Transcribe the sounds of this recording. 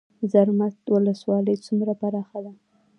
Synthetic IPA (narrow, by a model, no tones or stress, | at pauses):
zaɾmat̪wʊləswɑləjt͡sumɾabaɾɑxad̪a